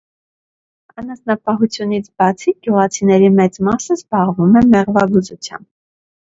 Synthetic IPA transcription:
ɑnɑsnɑpɑɦut͡sʰjun̪it͡sʰbɑt͡sʰiɡ̥juʁɑt͡sʰinɛɾimɛt͡smɑsəzbɑʁvumɛmɛʁvɑɡuzut͡sʰjɑ̰mb̚

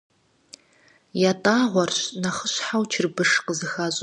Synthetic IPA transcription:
jatʼaːʁʷɔrɕnɐχəɕħawt͡ʃʰɪrbɨʂqəzɨxaːɕʼ

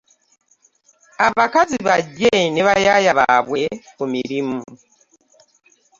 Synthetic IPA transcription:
aβakaziβaɟeneβajajaβa̰βwekumiɾimu

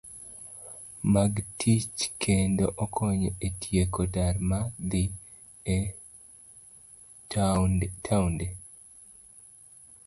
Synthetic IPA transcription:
maɡtʰit͡ʃkʰendoʔɔkʰɔɲɔetʰjekodarmad̪i | tʰaunde

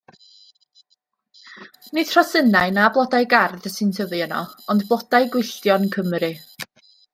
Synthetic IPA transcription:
nɪðʰr̥ɔsənaɨnablˠɔdajɡarðəsɨntʰəvɨənɔ̰ɔndbɔdajɡwɪɬtjɔnkʰəmrɨ

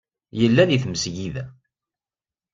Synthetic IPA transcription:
jəlːæðiθməsʝiðæ

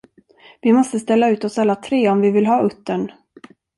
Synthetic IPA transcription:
vɪmɔst̪əst̪ɛlːaʉ̟ːt̪ɔsalːat̪ʰɾeːɔmvɪvɪlɦɑːɵt̪ːəɳ

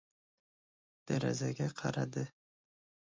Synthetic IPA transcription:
d̪̥aɾa̰zaɡʲaqʰɑɾad̪ɪ

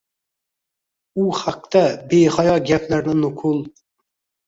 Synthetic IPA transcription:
uhaq̚t̪ɛbeχɑjɑɡʲɛpʰlæɾnɪnʊqʰʊlˠ

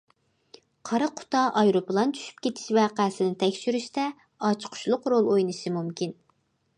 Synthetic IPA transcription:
qʰɑɾɑqʰʊ̥t̪ɑʔɑjɾopəlˠɑnt͡ʃ̪ʰy̥ʃy̥p̚kʲʰet̪ʰɪ̥ʃvɛqʰæsɪnɪt̪ʰɛkʲʃyɾyʃt̪ɛ | ɑt͡ʃʰqʰʊ̥ʃlˠʊqɾolˠojnɨʃɨmumkʲʰin

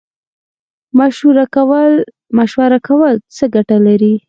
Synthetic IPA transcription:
maʃɾakwl | maʃwaɾakʰawəlt͡səɡaʈalaɾi

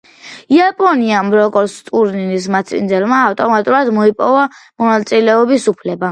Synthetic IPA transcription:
iapʼɔniamɾɔkʼɔɾst̪ʼuɾninismat̪sʰḭnd̪zɛlmaːft̪ʼɔmat̪ʼuɾad̪mɔipʼɔvamɔnat̪sʼilɛɔbisupʰlɛba

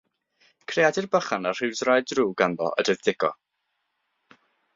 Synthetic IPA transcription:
kʰrejadɪrbəχanarr̥ɪwzrajdruːɡanðɔ̰ʔə̰dəðð̥ɪɡɔ̰

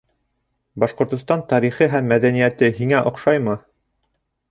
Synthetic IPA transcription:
bɑʃqŏɾt̪ŏst̪ɑnt̪ɑɾiχɤɦæmːæðænijæt̪ɘɦiŋæʔŏqʃɑjmɤ

